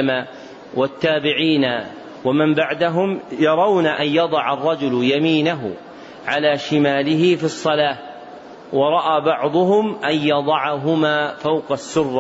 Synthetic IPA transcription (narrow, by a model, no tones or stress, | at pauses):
ma | wat̪ːaːbɪʕiːna | wamɪmbaʕd̪aɦʊmjɑɾˤɑwnaʔanjɑd̪ˤɑʕɑrˤːɑd͡ʒʊlʊjamiːnaɦʊ | ʕalaːʃɪmaːlɪɦɪfisˤːɑlaː | wɑɾˤɑʔaːbɑʕd̪ˤʊɦʊmʔanjɑd̪ˤɑʕaɦʊmaːfawqɑsːʊrː